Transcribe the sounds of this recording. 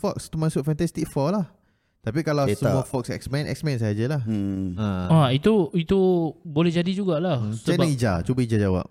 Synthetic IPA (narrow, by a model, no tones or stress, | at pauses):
fɔkst̪umãsʊt̪̚fɛ̃nt̪ɛst̪ik̚fɔlah | t̪ap̬ikalawsəmafɔk̚sɛ̰ksmɛ̃nʔɛ̰ksmɛ̃ns̬aad͡ʒəlahə̃ait̪uit̪ubolɛhd͡ʒadid͡ʒuɡaʔlaht͡ʃabaid͡ʒa̰t͡ʃubəid͡ʒad͡ʒawa̰p̚